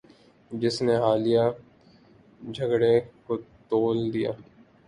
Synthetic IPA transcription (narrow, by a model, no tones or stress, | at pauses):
d͡ʒɪsneɦaːlija | d͡ʒʱəɡɽekot̪oːld̪ija̰ː